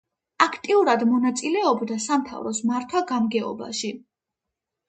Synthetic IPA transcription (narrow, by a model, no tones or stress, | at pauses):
akʰt̪ʼiuɾad̪mɔnat̪sʼilɛɔbd̪asamt̪ʰa̰vɾɔsmaɾt̪ʰwaɡamɡɛɔ̰ba̰ʃi